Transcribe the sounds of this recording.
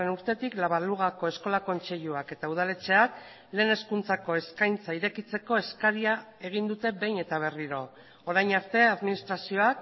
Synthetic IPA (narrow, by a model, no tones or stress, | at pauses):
enuɾt̪e̞t̪iklaβaluɣ̞ako̞e̞sko̞lako̞nt͡se̞ʎuake̞t̪auðale̞t͡se̞ak | le̞ːne̞skunt͡sako̞e̞skajnt͡saiɾe̞kit͡se̞ko̞e̞skaɾiae̞ɣ̞ind̪ut̪e̞be̞jne̞t̪aβ̞e̞riɾo̞ | oɾajnaɾt̪e̞aðminist̪ɾasio̞ak